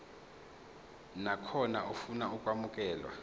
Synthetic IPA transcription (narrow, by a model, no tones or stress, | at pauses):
nakʰɔnaufunaukʼwamukʼɛːlwa̰